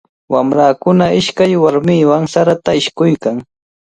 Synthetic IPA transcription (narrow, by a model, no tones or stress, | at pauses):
wamɾaːkʊnaɪʃkajwaɾmiːwaŋsaɾat̪aɪʃkʊjkaŋ